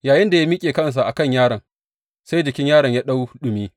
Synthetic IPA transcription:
jaː˨jɪ˦nda˨ja˦miː˦kʲʼeː˨kɐ˦ns̬a˨ʔa˨kɐ˦˨ɲjaː˦ɽɐ˨ŋ | sa˦jd͡ʒɪ˨kʲɪ˦ɲjaː˦ɽɐ˨ɲjaː˦ɗa˦wɗʊ˨miː˦

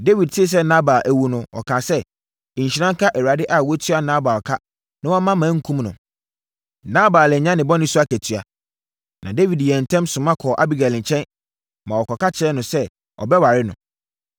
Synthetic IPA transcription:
de˦wi˨d̚tʰɪ˦˨s̬ɛ˦nã˦ba˨ʔæ˦wu˦nʊ̃˦ɔ̰˨kʰãː˨sɛ˦˨ | ɲ̩˨ɕi˨nã˦ŋ˦kʰa˦ʔɛ˨wa˨dɪ˦ʔa˨wɔ˦tʰɥa˦nã˦ba˨ɔ˨kʰa˦ | nã˦wɔ˦mã˦mãː˨˦ŋ̩˦kʰũ˦mnʊ̰̃˨ | nã˦baː˨lɪ˨ɲã˦nɪ̃˨bɔ˦nɪ̃˦su˦a˦kʰæ˨tʰɥa˨ | nã˨de˦wi˨djɛ˨n̩˨tʰɛ̃˦msʊ̃˨mã˦kʰɔː˨ʔa˦bi˦ɡa˨lɪ̃˨t͡ɕʰɛ̃˦n | mã˨wɔ˨kʰɔ˨ka˦t͡ɕʰɪ˨˦ɛ˦nʊ̃˨sɛ˦ | ɔ̰˨bɛ˦wa˨ɾɪ˦nʊ̃˨

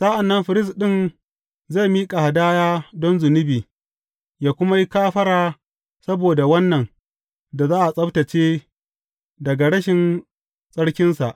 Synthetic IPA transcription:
sa˦ʔa˨nːɐ˦mɸɪ˨ɾɪ˦s̬ɗɪ˦˨n | za˦˨miː˦kʼa˨ha˨daː˦jaː˦dɔ˦nzʊ˨nɪ˦biː˨ | jaː˦kʷʊ˦ma˦ji˦kaː˦ɸɐ˦ɽaː˦ | sɐ˦boː˨da˨wɐ˦nːɐ˨n | da˨zaː˦ʔa˨sʼɐ˦btɐ˨t͡ʃeː˦ | dɐ˨ɡa˨ɽɐ˦ʃɪ˨n | sʼɐ˦ɽkʲɪ˦nsa˨ʔ

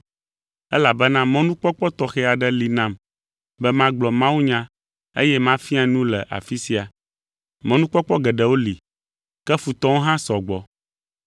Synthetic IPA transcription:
ɛ˦la˨bɛ˦nã˦mɔ̃˦nũ˦k͡pɔ˦k͡pɔ˦t̪ɔ˨xɛ˦a˨ɖɛ˦li˨nã˦˨m | bɛ˦mã˦ɡ͡blɔ˨mã˦wu˦ɲã˦ | ḛ˦jɛ˦mã˦fi˦a˨nũ˦lɛ̰˨ʔa̰˨fi˦si˦a˨ | mɔ̃˦nũ˦k͡pɔ˦k͡pɔ˦ɡɛ˨ɖɛ˨wo˦li˨ | kɛ˦fu˨t̪ɔ˦wo˦ɦã˦sɔ˨ɡ͡bɔ˨

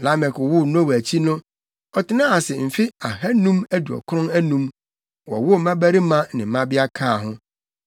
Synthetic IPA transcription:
la˦mɛ˨kʊ˨wʊ˦nʊ̃˦˨wæ˨t͡ɕʰi˦nʊ̃˦ | ɔ˨tʰɪ˨nã˦a˨sɪ˨m̩˨fi˦a˨hæ˦nũ˦mæ˦du˨ɔ̰˨kʰʊ˦ɾʊ̃˦næ˦nũ˦m | wɔ˨wʊ˦˨mã˦bæ˦ɾi˦mã˦nɪ̃˨m̩˨mã˦bɪ˦a˦kʰaː˦˨ɦʊ̃˦

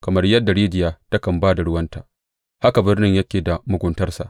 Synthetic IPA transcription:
kɐ˨mɐ˦rjɐ˦dːa˨ɾeː˦dɪ˨jaː˦ta˦kɐ˨mbaː˦da˨ɽʊ˦wɐ˦nta̰ː˨ | ha˦ka˨bɪ˦rnɪ˦ɲjɐ˦kʲeː˨da˨mʊ˨ɡʷʊ˦ntɐ˦rsa̰˨ʔ

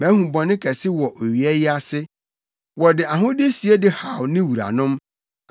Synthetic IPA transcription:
bɛ̃˨˦hũ˨bɔ̃˨nɪ̃˦kʰɛ˨sɪ˦wɔ˨ʔo˨ɥi˨ɛ˦jɪ˦a˦sɪ˦ | wɔ˨dɪ˨a˨ɦʊ̃˦dɪ˦si˨e˦dɪ˦ha˨wnɪ̃˦wu˨ɾa̰˨nʊ̃˦m

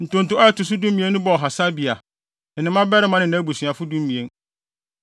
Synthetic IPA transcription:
n̩˨tʊ̃˨n̩˨tʊ̃˦ɔ˦ɛ˦tʊ˨s̬ʊ˦dũ˦m˦mĩ˨ẽ˦nːʊ̃˦bɔ˨ɔ˨ɦa˨sa˦bi˨a˨ | nɪ̃˨mã˦bɛ˦ɾɪ˦mã˦nɪ̃˨n˨ã˦bu˨sɥa˨fʊ˦dũ˦m˦mĩ˨ẽ˦n

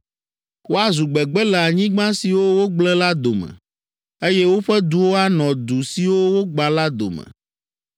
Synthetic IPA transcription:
wo˦a˦zu˨ɡ͡bɛ˨ɡ͡bɛ˦lɛ˨a˨ɲĩ˦ɡ͡bã˦si˨wo˦wo˦ɡ͡blɛ˦la˦d̪o˨mɛ̰̃˨ | e˦jɛ˦wo˦ɸɛ˦d̪u˨wo˦a˦nɔ̃˨d̪u˨si˨wo˦wo˦ɡ͡ba˨la˦d̪o̰˨mɛ̰̃˨

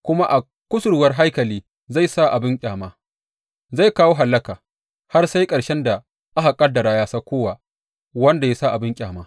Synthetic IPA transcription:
kʷʊ˦ma˦ʔa˨ | kʷʊ˦sʊ˨ɽwɐ˦rɦa˦jkɐ˨liː˦ | za˦˨jsa˦ʔa˨bɪ˦ŋkʲʼaː˨maː˦ | za˦˨jkaː˦woː˦ɦa˨lːɐ˦kaː˨ | ha˦rsa˦jkʼɐ˨ɽʃɛ˦nda˨ | ʔa˦ha˨kʼɐ˦dɐ˨ɾaː˨jaː˦saː˦kʷoː˦wa˨ | wɐ˦nda˨ja˦sa˦ʔa˨bɪ˦ŋkʲʼaː˨maː˦

